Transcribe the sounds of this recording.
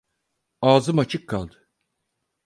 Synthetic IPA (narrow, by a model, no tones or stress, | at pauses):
aːzɯmat͡ʃʰɯkʰːalˠd̪ɯ